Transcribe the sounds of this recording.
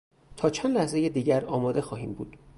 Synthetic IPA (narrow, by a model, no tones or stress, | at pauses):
t̪ʰɒːt͡ʃʰænd̪læhzejed̪iːɟæɾɒːmɒːd̪e̞xɒːɦiːmbṵːd̪̥